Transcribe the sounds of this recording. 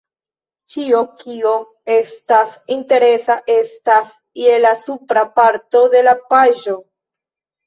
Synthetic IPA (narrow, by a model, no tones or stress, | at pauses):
t͡ʃiokio̞ | e̞stasinte̞ɾe̞saʔe̞stas | jelasupɾapaɾto̞de̞lapaʒo̞